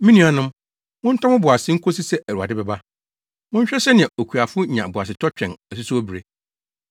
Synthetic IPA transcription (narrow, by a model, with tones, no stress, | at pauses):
mĩ˦nĩ˦˨a˨nʊ̃˦m | mʊ̃˦n̩˦tʰã˦mʊ̃˦bʊ˨a˨sɪ̃˦ŋ̩˦kʰo˦s̬i˦sɛ˦ʔæ˨ɾu˨a˨dɪ˦bɛ˨ba˦ | mʊ̃˦ɲ˦ɕᶣɛ˦ɕɛ˦nɪ̃˨ɛ̃˨o˨kʰu˨a˨fʊ˦ɲã˨bʊ˨a˨s̬ɪ˨tʰɔ˦t͡ɕᶣɛ̃˨næ˨su˦su˦æ˦bi˨ɾe˦